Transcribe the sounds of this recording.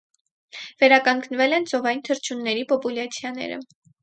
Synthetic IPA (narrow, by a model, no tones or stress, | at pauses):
vɛɾɑkɑŋkʰnvɛlɛnt͡sɔvɑjint̪ʰəɾt͡ʃʰunːɛɾipɔpuljɑt͡sʰjɑnɛ̰ɾə̰